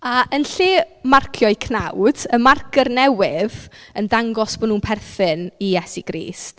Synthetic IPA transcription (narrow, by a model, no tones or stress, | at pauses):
aʔənɬɪːmarkʰjɔɨkʰnawd̥əmarkʰərnɛwɪðəndaŋɡɔsb̥ɔnuːnpʰɛrθɨnijɛsiɡ̥ɾḭːst